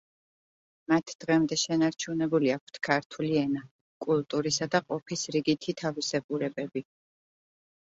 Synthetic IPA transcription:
mat̪ʰd̪̥ʁɛmd̪ɛʃɛnaɾt͡ʃʰunɛbuliak̚ʷʰt̪ʰkʰaɾt̪ʰuliɛna | kʼulˠt̪ʼuɾisad̪aqʼɔpʰisɾiɡit̪ʰit̪ʰavisɛbʼuɾɛbɛbi

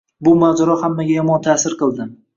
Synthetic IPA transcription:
bʊmazaɾɒhamːaɡʲajɒmɒnt̪ʰasɪɾqɨlˠd̪ɪm

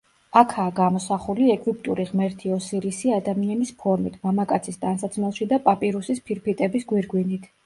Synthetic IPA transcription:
akʰaːɡamɔsaχuliɛkʼʰvip̚ʼt̪ʼuɾiʁmɛɾt̪ʰiɔsiɾisiad̪amianispʰɔɾmit̪ʰmamakʼat̪sʰisd̪ansat̪sʰmɛlˠʃid̪apʼapʼiɾusispʰiɾpʰit̪ʼɛbisɡwiɾɡwinit̪ʰ

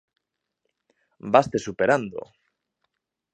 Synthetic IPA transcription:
bast̪e̞supeɾand̪o̰

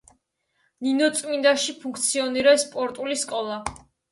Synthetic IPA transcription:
ninɔt̪sʼmind̪aʃipʰũŋkʰt̪sʰiɔniɾɛspʼɔɾt̪ʼuliskʼɔlˠa

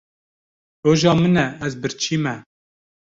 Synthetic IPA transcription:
ɾoːʒɑːmɨnɛɛzbɨɾt͡ʃʰiːmɛ

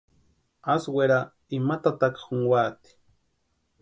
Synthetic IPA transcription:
asweɾa | imat̪at̪akxuŋwat̪i̥

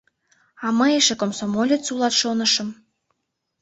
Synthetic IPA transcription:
ɑməeʃĕkomsomolʲet͡sulˠɑt̪ʃonəʃə̆m

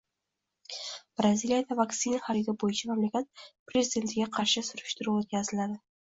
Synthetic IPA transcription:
b̥ɾaziljad̪avakt̪sɪnaχaɾid̪ɪbojɪt͡ʃʰamamlakʲat̪̚pɾezʲɪd̪ʲe̞nt̪ʰɪɡʲaqʰɑɾʃɪsʊɾɪʃt̪ɪɾuwot̪̚kʲazɪlad̪ɪ

